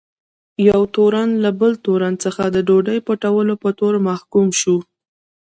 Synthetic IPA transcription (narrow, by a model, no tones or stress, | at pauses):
jawt̪oɾanlabəlt̪oɾant͡səxad̪əɖoɖəjpəʈawəlopət̪oɾmahkumʃu